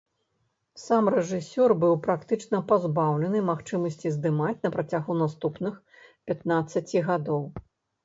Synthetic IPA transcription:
samrɛʐɨsʲɔrbɨwpɾakt̪ɨt͡ʂnɐpazbawlʲɛnɨmaxt͡ʂɨmɐsʲt͡sʲizd̪ɨmat͡sʲnɐpɾat͡sʲaɣunast̪upnɨx | pʲat̪nat̪sːɐt͡sʲiɣad̪ɔw

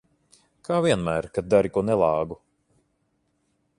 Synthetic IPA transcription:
kʰaːviɛnmæːɾkad̪̚d̪aɾikuɔnɛlˠɑːɡu

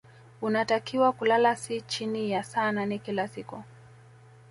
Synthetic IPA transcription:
unatakiwakulalasit͡ʃinijasaːnanikilasiku

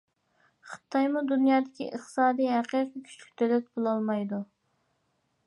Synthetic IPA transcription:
χɨ̥t̪ʰːɑjmud̪unjɑːd̪ɪkʲʰḭʔə̰χt̪ɨ̥sɑːd̪ijɦæqʰijqikʲʰy̥t͡ʃʰy̥kʲt̪ʰølɛt̪̚bolˠɑlˠmɑjd̪u

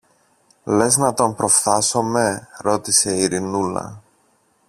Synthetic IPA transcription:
le̞znɐt̪o̞mpɾo̞fθɐso̞me̞ɾo̞t̪ise̞iɾinulɐ̰

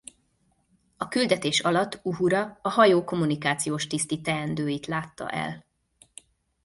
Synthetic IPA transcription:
ɒkyld̪ɛt̪eːʃɒlɒt̪ːuɦuɾɒɒhɒjoːko̞mːunikaːt̪sijoːʃt̪ist̪it̪ɛɛnd̪øːjit̪laːt̪ːɒ̰ʔɛ̰l

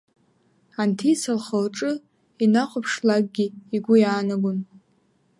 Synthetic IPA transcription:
antʰit͡sʰalχəlʈ͡ʂʼɨ | inaχʷʊpʰʂlaɡ̚ɡʲiiɡʷʊjaːnaɡʷʊn

